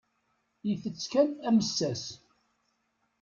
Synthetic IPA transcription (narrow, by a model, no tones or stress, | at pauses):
jiθət͡sːkænæməsːæs